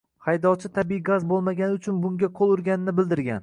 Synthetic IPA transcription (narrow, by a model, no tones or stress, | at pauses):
hajd̪ɒwt͡ʃʰɪt̪ʰabijɡazbolˠmaɡʲanɪʊt͡ʃʰʊnbʊŋɡʲaqʰolˠʊɾɡʲanɪnɪbɪld̪ɪɾɡʲa̰n